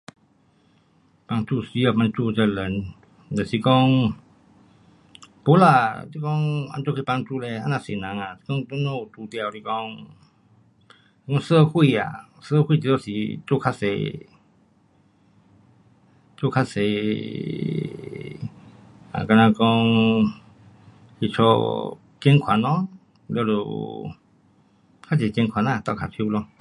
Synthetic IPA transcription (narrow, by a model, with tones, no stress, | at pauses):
pa˧ŋt͡ʃu˧˨si˧˦ə˧˨pma˧ŋt͡ʃuː˧t͡ʃə˧˨lə˨n | dɛ˧˨si˧˦kɔ˧ŋ | po˧˦la˧˨t̪i˧kɔ˧ŋa̰˧˨nt͡ʃo˧kʰpa˧ŋt͡ʃuː˧˨lɛ˧a˧na˧˨si˨na˨˦ŋa˨si̥˧kɔ˧ŋto˧no˧˨t̪uː˧˨t̪i˧a˨wti˧kɔ˧ŋ | i˧kɔ˧ŋsə˧˨kʰu˧ja̰˨ | sə˦˧kwi˧˨t͡ɕi˧˨lo˧˨si˨t͡so˦˨kʰa˧sḛ˧˨ | t͡so˦˨kʰa˦˧se˨ | a̰˨ka˧nã˧kɔ˧ŋ | hi˧˨t͡ʃʰɔ̰˧ | t͡ɕe˦ŋkʰwa˨nɔ̃˦ | lə˧lo̰˧˨ | kʰa˦d͡ʒe˨t͡ɕe˧ŋkʰa˨nã˧˨t̪ɔ˧˨kʰa˨pʰi˧lɔ˧